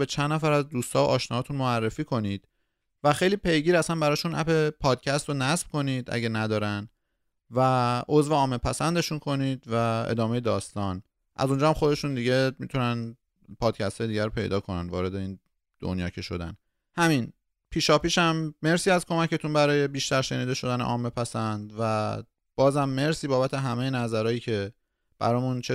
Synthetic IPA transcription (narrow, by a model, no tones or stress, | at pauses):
bet͡ʃʰænd̪næfæɾæzd̪uːst̪ʰɒːoʔɒːʃnɒːt̪ʰunmoærːefiːkʰo̞nid̪̥ | væxe̞jliːpʰe̞jɡiːɾæsænbæɾɒːʃunʔæ̰pe̞pʰɒːd̪̥cʰæst̪ɾonæsb̥̚kʰo̞nid̪ʔæ̰ɟænæd̪ɒːɾæn | væo̞zveɒːmepʰæsænd̪e̞ʃunkʰo̞niːd̪væḛd̪ɒːmejed̪ɒːst̪ɒːn | ʔæ̰zond͡ʒɒːæmxo̞d̪e̞ʃund̪iɟemit̪ʰunæn | pʰɒːd̪̥̚cʰæst̪ʰɒːjeiɟæɾopʰe̞̰jd̪ɒːkʰo̞nænvɒːɾe̞d̪e̞iːn | d̪̥o̰njɒːcʰe̞ʃo̞d̪æ̰n | hæmin | pʰiːʃɒːpiːʃæmːe̞ɾsiːæzkʰo̞mæce̞t̪ʰunbæɾɒːje̞biːʃt̪æɾʃe̞niːd̪e̞ʃo̞d̪ænḛʔɒ̰ːmepʰæsænd̪væ | b̥ɒːzhæmːe̞ɾsiːbɒːbæt̪ʰe̞ɦæme̞jenæzæɾɒːjiːcʰe̞ | b̥æ̰ɾɒːmunt͡ʃʰe